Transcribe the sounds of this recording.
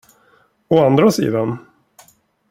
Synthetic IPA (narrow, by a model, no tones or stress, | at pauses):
ɔand̪ɾasḭːd̪an